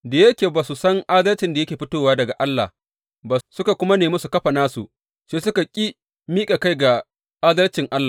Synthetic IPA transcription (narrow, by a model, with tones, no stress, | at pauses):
da˨jɐ˦kʲeː˨baː˨su˨sɐ˦ŋʔa˦dɐ˦lt͡ʃɪ˨nda˨jɐ˦kʲeː˨ɸɪ˦toː˦waː˦dɐ˨ɡa˨ʔa˦lːa̰˨ | baː˨sʊ˦ka˨kʷʊ˦ma˦neː˨mɐ˦su˨kɐ˦ɸa˨naː˦sṵ˨ | ʃeː˦sʊ˦ka˨kʲʼi˦ | miː˦kʼa˨ka˦jɡa˨ | ʔaː˦dɐ˦lt͡ʃɪ˨ŋʔa˦lːa˨